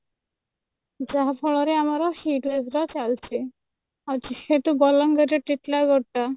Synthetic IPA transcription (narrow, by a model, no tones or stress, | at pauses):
d͡ʒaɦpʰɔɭɔɾeamaɾɔhiʈlesɾɔt͡ʃalt͡ʃʰi | at͡ʃiheʈ̪ubɔlɔŋɡɔd͡ʑɔʈiʈlaɡɔʈːa